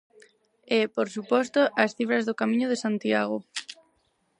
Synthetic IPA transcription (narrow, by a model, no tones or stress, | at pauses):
epoɾsupɔst̪oʔasθifɾɐzðokamĩɲoð̞esant̪iaɣ̞o